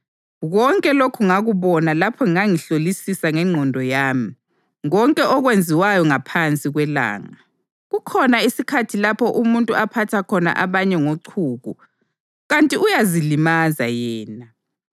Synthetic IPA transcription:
ɣɔŋkʼɛlokʰuŋaɣuβɔnalapʰɔŋiŋaŋiɬolisisaŋɛŋ͡ǀʱɔndʱɔjaːmi | ɔŋkʼɛʔɔɣwend͡zʱiwajɔŋapʰant͡sʼiɣwɛla̰ːŋa | ɣukʰɔnaisikʰatʰilapʰɔʔumuntʼuapʰatʰakʰɔna̰ʔaβaɲɛŋoǀʰuːɣṵ | ɣantʼiujazilimazajɛːna

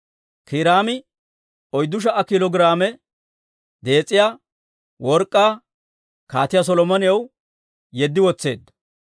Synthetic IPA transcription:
kɪɾaːmɪ | ɔjd̪ːʊʃ̬ɐʔɐkɪlɔɡɾaːmɛ | d̪e̞ːt͡sʼːɪjaː | wɔɾkʼːaː | kaːt̪ɪjas̬ɔlɔmɐnɪjɐw | jɛd̪ːɪwɔt͡sːe̞̰ːd̪ːɐ̥

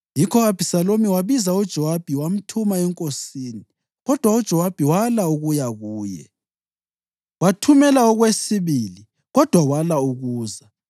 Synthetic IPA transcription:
jikʰɔɣab̥ʱisalomiwaβizaud̥ʒ̥ʱɔwab̥ʱiwam̩tʰumaɛŋkʼosiːni | ɣɔd̥ʱwaud̥ʒ̥ʱɔwab̥ʱiwalauɣujaɣuːjɛ̰ | watʰumɛlaɔɣwesiβili | ɣɔd̥ʱwawalauɣuːza

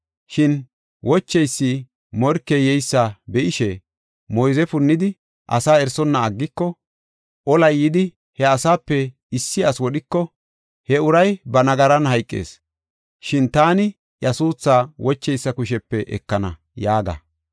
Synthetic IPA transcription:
ʃɪn | wʔɔt͡ʃːɛjsːɪ | mɔɾkːɛjɛjsːabɛʔɪʃɛ | mɔjzɛfʊnːɪd̪ɪ | ʔɐ̰saːɛɾsɔnːɐːɡːɪkːɔ | ʔɔlɐjːɪd̪ɪ | hɛɐsaːpːɛ | ɪsːɪɐswɔɗɪkːɔ | hɛʊɾɐjbɐnɐɡɐɾɐnɦɐjkʼːḛːs | ʃɪnt̪aːnɪ | jɐsuːt͡sːaːwɔt͡ʃːɛjsːɐkʊʃɛpːɛʔɛ̰kːɐnɐ | jaːɡɐ̰

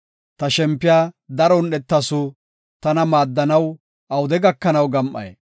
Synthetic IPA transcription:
t̪ɐʃɛmpːɪjaːd̪ɐɾɔnɗɛt̪ːɐsʊ | t̪ɐnɐmaːd̪ːɐnɐw | ʔɐwʊd̪ɛɡɐkːɐnɐwɡɐmʔɐ̰j

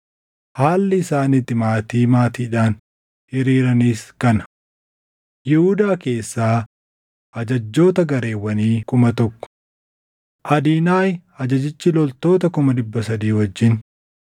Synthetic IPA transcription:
haːlːɪːsaːnɪt̪ːɪmaːt̪iːmaːt̪iːᶑaːn | hɪɾiːɾɐniːskɐnɐ | jɪhuːd̪aːke̞ːsːaː | ʔɐd͡ʒɐd͡ʒːo̞ːt̪ɐɡɐɾe̞ːwːɐniːkʊmɐt̪ɔkːʊ̥ | ʔɐd̪iːnaːjɐd͡ʒɐd͡ʒɪt͡ʃːɪlɔlt̪o̞ːt̪ɐkʊmɐd̪ɪbːɐsɐd̪iːwɐd͡ʒːɪn

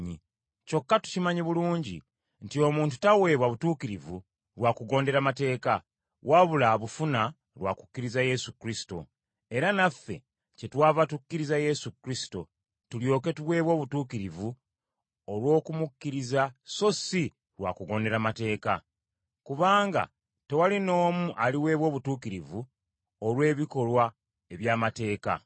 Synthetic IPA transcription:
i | co̞kːatu̥cimaɲiβuluːɲɟḭ | ntio̞muːntu̥tawe̞ːβwaβutuːkiɾivu | ɾwakuɡo̞ːnde̞ɾamate̞ːka | wʔaβulaβufuna | lwa̰ku̥kːiɾizaje̞sukɾisi̥to̞̰ | e̞ɾanafːe̞̰ | ce̞twaːvatukːiɾizaje̞sukɾisi̥to̞̰ | tuljo̞ːke̞tuβwe̞ːβwo̞ːβutuːkiɾivu | olwo̞ːkumukːiɾizaso̞si | ɾwa̰ːkuɡo̞ːnde̞ɾamate̞ːka | kuβaːŋɡa̰ | te̞walino̞ːmuʔaliwe̞ːβwo̞ːβutuːkiɾivu | olwe̞ːβiko̞lwa | e̞βjaːmate̞ːka̰

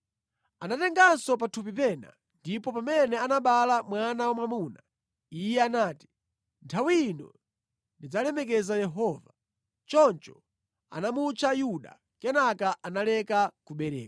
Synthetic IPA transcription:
anatɛŋɡansɔp̬atʰup̬ipɛna̰ | ndipɔpamɛnɛanaɓalamwanawamamuːna | ijɛanaːti̥ | ntʰawinɔ̰ | ndid͡zalɛmɛk̬ɛzajɛɦɔːva | t͡ʃɔnt͡ʃɔ̥ | a̰namut͡ʃajuɗa̰ | kɛnakaʔanalɛkakuɓɛɾɛ̰ːka

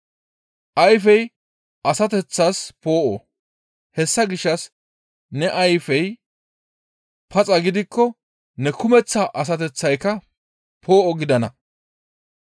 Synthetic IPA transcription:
ʔɐjfɛj | ʔɐsɐt̪ɛt͡sːaspoːʔɔ̰ | hɛsːɐɡɪʃːɐs | nɛʔɐjfɛj | pʰɐt͡sʼɐɡɪd̪ɪkːɔ | nɛkʊmɛt͡sːɐʔɐs̬ɐt̪ɛt͡sːɐjkːɐ | pʰoːʔɔɡɪd̪ɐnɐ

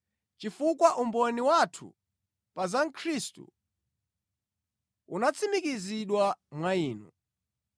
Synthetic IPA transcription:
t͡ʃifukwaʔumbɔniwatʰṵ | pazaŋ̩kʰɾistṵ | unat͡sʰimikiziɗwamwaiːnṵ

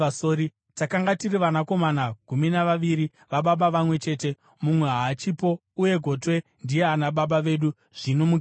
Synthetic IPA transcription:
asoɾi | takaŋɡatiriʋanako̞manaɡ̥ʱuminaʋaʋiɾi | ʋaɓaɓaʋamwe̞t͡ʃe̞ːte̞ | mumwe̞ɦaːt͡ʃipo̞ | uje̞ɡʱo̞twendije̞anaɓaɓaʋe̞ːɗu | ʐ̥inomu

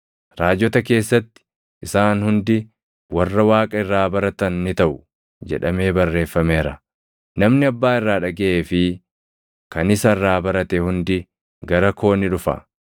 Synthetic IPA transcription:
ɾaːd͡ʒːɔt̪ɐke̞ːsːɐt̪ːɪ̥ | ʔɪsaːnhʊnd̪ɪ | wɐrːɐwaːkʼɐɪrːaːbɐɾɐt̪ɐnːɪt̪ɐʔʊ | d͡ʒɛ̰ᶑɐme̞ːbɐrːe̞ːfːɐmeːɾɐ | nɐmnɪɐbːaːɪrːaːᶑɐɡɛʔeːfɪ | kɐnɪsɐɪrːaːbɐɾɐt̪ɛhʊnd̪ɪ | ɡɐɾɐko̞ːnɪᶑʊfɐ̰

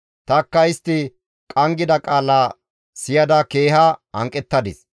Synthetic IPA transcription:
t̪ɐkːɐɪst̪ːɪ | kʼɐŋɡɪd̪ɐkʼaːla | sɪjɐd̪ɐke̞ːhɐɐŋkʼɛt̪ːɐd̪ɪs

